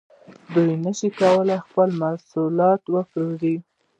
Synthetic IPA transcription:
d̪ujnəʃikawəlajxpəlmasulɑt̪wəpɾoɾi

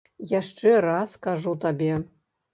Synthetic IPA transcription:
jaʂt͡ʂɛɾaskaʐut̪abʲɛ

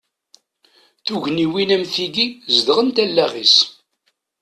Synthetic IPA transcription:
θuʝniwinæmθiɡizd̪ʁənt̪ælːæʁis

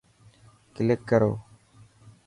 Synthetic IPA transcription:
kɪlɪkːəɾo̰ː

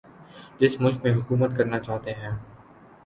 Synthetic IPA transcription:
d͡ʒɪsmʊlkmẽɦʊkuːmət̪kɐɾnat͡ʃaːɦt̪eɦɛ̃ː

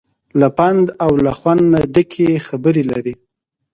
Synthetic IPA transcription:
lapand̪awlaxwand̪naɖəkʰexabəɾelaɾi

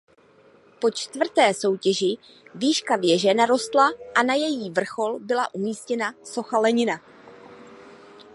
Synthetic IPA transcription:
po̞t͡ʃt̪vr̩t̪ɛːso̞wcɛʒɪ | viːʃkavjɛʒɛnaɾo̞st̪laʔanajɛjiːvr̩xo̞lbɪlaʔumiːscɛnaso̞xalɛɲɪna

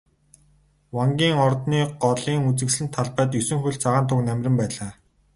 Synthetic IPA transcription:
waŋɡʲiːŋɔrt̪niːɢɔɮiːŋut͡sɘ̆ksɮɘ̆n̥t̪ʰːaɮpæːt̪̬jɵsɵ̆ŋxɵɬt͡sʰaʁaːnt̪ʰʊknæmʲrʲɪ̆ɘ̆mpæːɮaː

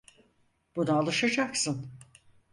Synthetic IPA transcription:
b̥unaːlˠɯʃad͡ʒaksɯn

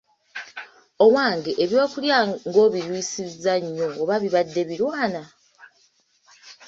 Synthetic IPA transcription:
o̞mwaːŋɡeʔeβjo̞ːkuljaŋɡo̞βiɾwisizaɲːo̞ːβaβiβadːe̞βiɾwaːna

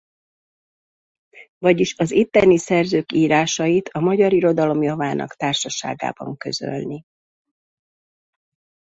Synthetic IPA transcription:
vɒɟiʃɒzit̪ːɛnisɛrzøːkiːɾaːʃɒjit̪ʰɒmɒɟɒɾiɾo̞d̪ɒlo̞mjɒvaːnɒ̰kt̪aːrʃɒʃa̰ːɡa̰ːbɒ̰ŋkø̞̰zø̞̰lni

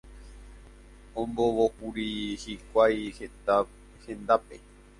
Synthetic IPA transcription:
õmboʋokuɾihikʷajhea | hẽ̞nd̪ape

